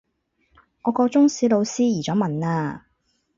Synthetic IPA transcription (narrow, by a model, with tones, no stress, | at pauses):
ŋɔː˨˧kɔː˧t͡sʊ˥ŋsiː˨˥lo˨˧wsiː˥jiː˨˩t͡sɔː˨˧˥mɐ˨naː˧